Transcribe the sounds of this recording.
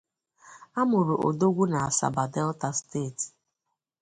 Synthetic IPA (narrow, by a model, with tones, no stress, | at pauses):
a˦mʊ˨ɾo˨ʔo̰˨do˦ɡʷu˦na˨a˨sa̰˨ba˨dɛ˦lta˦steː˦˨ti̥˨